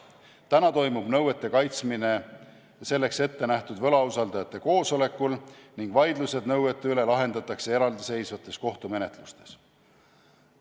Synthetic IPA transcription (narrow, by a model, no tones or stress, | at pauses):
t̪ænɑt̪o̞jmub̥nɤwet̪ːe̞kɑjt̪smine̞ | se̞lːe̞kse̞t̪ːe̞næht̪ud̪vɤ̞lɑusɑld̪ɑjɑt̪ːˑe̞ko̞ːso̞le̞kːˑulniŋɡ̥vɑjd̪luse̞d̪nɤwet̪ˑːeyle̞lɑɦe̞nd̪ɑt̪ːˑɑkse̞e̞ɾɑld̪ise̞jsvɑt̪ːˑe̞sko̞ht̪ume̞ne̞t̪ˑlust̪e̞̥s